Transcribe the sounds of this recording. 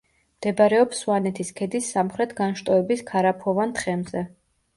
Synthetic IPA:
md̪̥ɛbaɾɛɔpswanɛt̪ʰiskʰɛd̪isːamχɾɛt̪ʰɡanʃt̪ʼɔɛbiskʰaɾapʰɔvant̪χɛmzɛ

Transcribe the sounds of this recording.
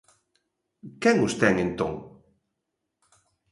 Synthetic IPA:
kɛŋʊst̪ɛŋent̪õŋ

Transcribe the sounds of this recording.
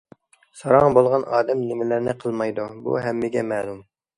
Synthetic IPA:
sɑɾɑŋbolˠʁɑnɑːd̪ɛmnɪmɪlɪɾnɪqʰəlˠmɑjd̪ubṵɦɛmːɪɡʲɛmɛːlˠum

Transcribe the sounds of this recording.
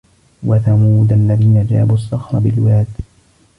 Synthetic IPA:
waθamuːd̪alːaðiːnad͡ʒa̰ːbusˤːɑxɾˤɑbɪlwaːd̪

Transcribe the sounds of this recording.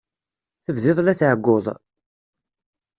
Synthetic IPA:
θəvlɪðˤlæθʕəɡːoðˤ

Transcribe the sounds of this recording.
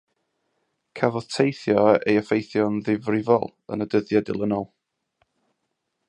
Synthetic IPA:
kʰavɔð̥tʰejθjɔejəfejθjɔnðɪvrɪvɔ̰lˠ | ə̰nədəðjadɪ̰lˠənɔlˠ

